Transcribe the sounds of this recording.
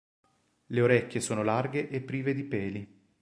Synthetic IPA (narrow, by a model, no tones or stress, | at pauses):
leoɾɛkʲːjesoːnolarɡeʔepːɾiːved̪ipɛːli